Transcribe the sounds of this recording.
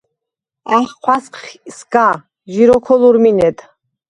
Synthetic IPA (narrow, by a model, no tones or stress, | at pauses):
aχqʷʰwasqsɡa | ʒiɾɔkʰɔluɾminɛd̪